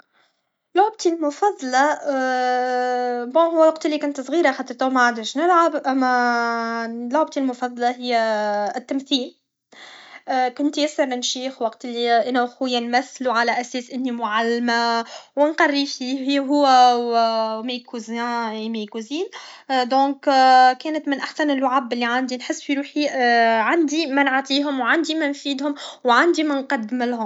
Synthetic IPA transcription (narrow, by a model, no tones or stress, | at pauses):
lʊʕb̚t̪ilmʊfɑðˤːɑlɑ | bõhʊwːæwɑqt̪ɪlːikʊnt̪sˤɣiːɾaxɑt̪ˤːɑɾt̪umaʕad̪æʃnɪlʕabʔæmːæ | lʊʕb̚t̪ilmʊfɑðˤɑlɑɦɪjːæt̪ːæmθiːl | ʔkʊnt̪jɪsɑɾˤnɪnʃiːxwɑqt̪ɪlːiʔænːæxʊjːænmæθluʕalæʔæsɛːsʔɪnːimʊʕalːmawɪnqɑrːifiːhiːɦʊwːæ | makuzmækuziːnd̪ɔ̃ːkkɛːnət̪mɪnʔaħsænɪlːwaʕabɪlːiʕand̪inħəsːfiɾuːħiʕand̪imænʕat̪ˤiːɦʊmwʕand̪imænfiːd̪hʊmwʕand̪imænqɑd̪ːmɪlhʊm